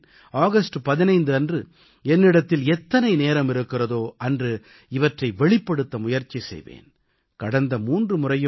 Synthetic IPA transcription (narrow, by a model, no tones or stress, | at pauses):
aːɣɐsʈɯpɐðɪnɐɪnd̪ɯɐndrɯ | ɛnːɪɽɐt̪ːɪlɛt̪ːɐnɐɪneːɾɐmɪɾɯkːɪrɐðoːʔɐndrɯ | ɪʋɐʈrɐɪʋɛɭɪpːɐɽɯt̪ːɐmʊjɐɾt͡ʃːisɛ̰jʋḛːn | kɐɽɐnd̪ɐmuːndrɯmʊrɐjɯ